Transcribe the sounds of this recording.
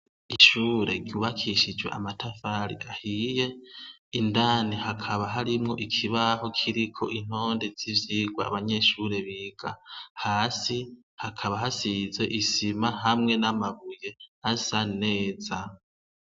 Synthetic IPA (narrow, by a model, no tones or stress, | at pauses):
iʃuːɾe̞ɾɟjuːβakʰiʃid͡ʒwe̞̰ʔamatʰafaɾḭʔahije̞indaːnihakʰaβaɦaɾimŋo̞ʔikʰiβaho̞kʰiɾikʰo̞̰ʔin̥o̞ːndez̥ivjiːɡwa̰ːβaɲe̞ʃuɾe̞βiːɡ̥ahaːsi | hakʰaβahasize̞ʔisimaɦamŋe̞namaβuje̞asane̞ːza